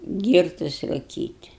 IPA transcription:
ˈɡʲiːrtʊs rʊˈkʲiːtʲ

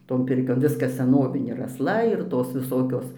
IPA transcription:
ˈtoːn ˈpʲɪrʲkʲoːn ˈʋʲɪskɐs sʲɛˈnoːʋʲɪnʲeː ɪr ɐsˈlˠɐ ɪr ˈtoːs ʋʲɪˈsoːkʲoːs

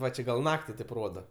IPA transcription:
ˈʋɐ t͡ʃʲɛ ɡɐlˠ ˈnɑːktʲɪ tɐɪp ˈroːdɐ

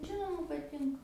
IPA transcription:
ˈʒʲɪnoːmɐ pɐˈtʲɪŋkɐ

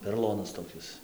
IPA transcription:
pʲɛroːˈlˠoːnɐs toːˈkʲɪs

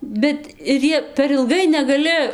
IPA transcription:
bʲɛt ɪr ˈjiɛ pʲɛr ɪlˠˈɡɐɪ nʲɛɡɐˈlʲɪ

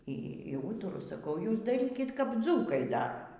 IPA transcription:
ˈiː ˈiː ˈuːtʊrʊ sɐˈkɐʊ ˈjuːs dɐˈrʲiːkʲɪt kɐp ˈd͡zuːkɐɪ ˈdɑːrɐ

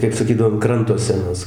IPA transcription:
kɐɪp sɐˈkʲiːdɐʋoː ɐn ˈkrɐntoː sʲɛˈnʊs

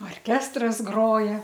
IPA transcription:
oːrʲˈkʲæːstrɐs ˈɡroːjɛ

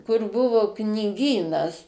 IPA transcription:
kʊr ˈbʊʋʊ knʲɪˈɡʲiːnɐs

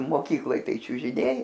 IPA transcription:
moːˈkʲiːklˠoːj ˈtɐɪ t͡ʃʲʊʒʲɪˈnʲɛɪ

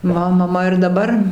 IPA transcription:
ˈmɐ mɐˈmɐ ɪr dɐˈbɐr

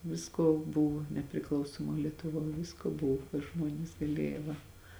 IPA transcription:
ˈʋʲɪskoː ˈbʊw nʲɛpʲrʲɪˈklˠɐʊsoːmoːj lʲiɛtʊˈʋoːj ˈʋʲɪskoː ˈbʊw ɪr ˈʒmuɔnʲɪs ɡɐˈlʲeːjɛ ˈʋɐ

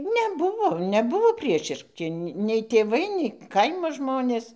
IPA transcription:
nʲɛˈbʊʋoː nʲɛˈbʊʋoː ˈpʲrʲiɛʃʲɪʃʲkʲɪ nʲɛɪ tʲeːˈʋɐɪ nʲɛɪ ˈkɐɪmoː ˈʒmoːnʲeːs

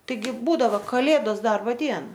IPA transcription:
ˈtɐɪɡʲɪ ˈbuːdɐʋoː kɐˈlʲeːdoːs ˈdɐrboː ˈdʲiɛnɐ

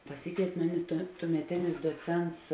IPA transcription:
pɐˈsʲɪkʋʲeːɪtʲ ˈmʊˌnʲɪ tuɔ tuɔmʲɛˈtʲɪnʲɪs duɔˈt͡sʲɛnts

